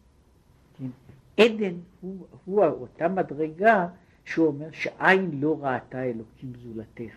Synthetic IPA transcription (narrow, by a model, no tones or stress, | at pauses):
ken | ʔedenhuhuaotamadʁe̞ɡa | ʃeo̞me̞ʁʃeʔainlo̞ʁatae̞lo̞kʰimzulateχ